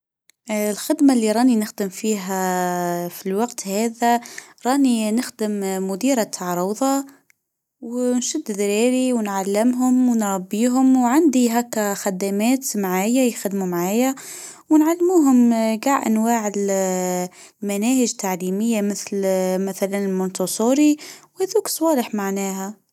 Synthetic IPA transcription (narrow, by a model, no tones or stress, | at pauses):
lxɪd̪malːiɾˤɑːninɪxd̪ɪmfiːɦa | filwɑɡt̪hæːðaɾˤɑːninɪxd̪ɪmːʊd̪iːɾat̪ʰːɑʕɾˤuːðˤɑ | wnʃʊd̪ːðɾiːɾiwnʕalːɪmɦʊmwnɾbiːɦʊmwʕand̪iɦakːaxad̪amæːt̪mʕaːjajxad̪mumʕaːjawnʕalːmuːɦʊmɡaʕʔa̰nwaːʕl | manæːhɪʒt̪ʰːaʕliːmɪjːamɪθlmaθalanɪlmʊnt̪osˤuːɾiwhæðuːksˤwɑːləħmaʕnæːɦa